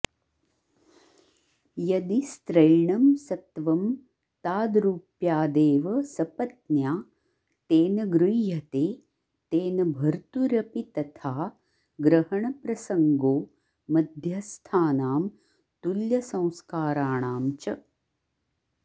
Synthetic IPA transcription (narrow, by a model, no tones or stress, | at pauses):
jɐd̪ist̪ɾɐjɳɐmsɐt̪ʋɐm | t̪aːd̪ɾuːpjaːd̪eːʋɐsɐpɐt̪njaː | t̪eːnɐɡɾujjɐt̪eː | t̪eːnɐbʱɐɾt̪uɾɐpit̪ɐt̪ʰaː | ɡɾɐɦɐɳɐpɾɐsɐŋɡoː | mɐd̪ʱjɐst̪ʰaːnaːm | t̪uljɐsɐ̃w̃skaːɾaːɳaːmt͡ʃɐ